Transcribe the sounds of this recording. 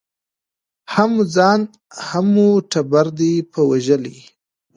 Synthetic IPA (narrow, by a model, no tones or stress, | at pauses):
hamd͡zɑːn | hamuʈabaɾd̪ipəwaʒəli